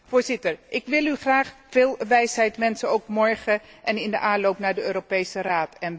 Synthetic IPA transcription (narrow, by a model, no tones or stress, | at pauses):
foːɹzɪtəɹʔɪkʋɪlˠyχraːχfɪːlˠʋɛjsɦɛjtmɛnsəowkmɔɹχəʔɛnɪndəʔaːnlowpnaːɹdəøːɾopejsəraːtɛn